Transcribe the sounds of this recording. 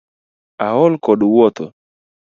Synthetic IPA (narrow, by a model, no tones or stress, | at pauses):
aɦɔlkɔɗwɔt̪ɔ